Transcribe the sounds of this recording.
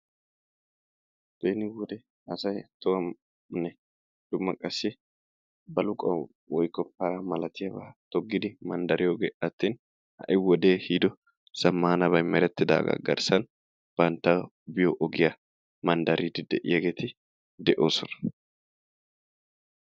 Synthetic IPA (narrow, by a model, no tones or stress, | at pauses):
b̥eːnɪwɔd̪ɛ | ɐsɐjt̪ɔwɐm | nɛ | d̪̥ʊmːɐkʼɐsːɪ | bɐlʊkʼɐ | wɔjkːɔpːaɾɐmɐlɐt̪ɪjɐbɐt̪ɔɡːɪd̪ɪmɐnd̪ɐɾʔɪjoɡeːʔɐt̪ːiːn | hɐ̰ʔɪwɔd̪e̞ːhid̪ɔ | sɐmːaːnɐβɐjmɛɾɛt̪ːɪd̪a̰ːɡɐ̰ɡɐ̰ɾsɐn | b̥ɐnt̪ːɐ | bɪjoʔɔɡɪja | mɐnd̪ɐɾiːd̪ɪd̪ɛʔɪ̰jɐɡeːt̪ɪ | d̪ɛʔo̞ːsɔnɐ̥